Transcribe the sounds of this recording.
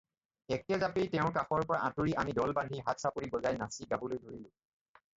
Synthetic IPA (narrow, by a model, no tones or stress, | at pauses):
ɛk̚ɛzapejtɛʊ̃kaxɔɹpɔɹaʔatuɹiʔamidɔlbadʱiɦatsapʊɹibɔzajnasiɡabulojdʱoɹilʊ̃